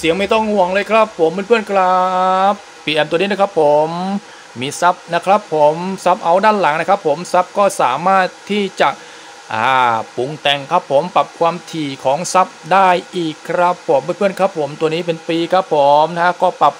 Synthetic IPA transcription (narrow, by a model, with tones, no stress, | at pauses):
si˩˦ŋma˥˩jt̪ɔ˥˩ŋhu˨˩əŋlɤː˧jkʰɾa˦˥pʰːo˩˦mːe˧˩npʰɯ˥˩ənkɾap̚ːiː˨˧ʔɛː˧mt̪niː˦˥n˦˥kʰa˦˥pʰːo˩˦mː | iː˧sa˦˥p̚na˦˥kʰɾa˦˥pʰːo˩˦msa˦˥p̚ʔa˧wdaː˥˩nla˩˦ŋna˦˥kʰɾa˦˥pʰːo˩˦msa˦˥p̚kɔː˥˩sa̰ː˩˦maː˥˩t̪ʰːiː˥˩t͡ɕa˨˩ʔ | ʔa̰ː˨˧˩pu˨˧ŋt̪ɛ˨˩ŋkʰɾa˦˥pʰːo˨˩˦mpa˨˩p̚kʰwaː˧mt̪ʰiː˨˩kʰɔː˩˦ŋsa˦˥p̚daː˥˩jʔiː˨˩kʰːɾa˦˥pʰːo˩˦mpɯː˧˥˨npɯ˥˩ənkʰɾa˦˥pʰːo˩˦mt̪u˧niː˦˥p̬e˧npiː˧kʰɾa˦˥pʰːo˨˩˦mna˦˥a˦˥kɔː˥˩pa˨˩p̚